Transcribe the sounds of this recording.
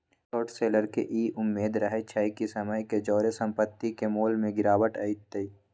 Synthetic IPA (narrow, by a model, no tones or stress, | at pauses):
sɔːʈseːləɾkeʔiːʔʊmːeːd̪ɾɐɦet͡ʃʰɐikisɐməjked͡ʒɔːɾesɐ̃mpət̪ːikemoːlmẽɡɪɾaːʋəʈɐɪt̪ːei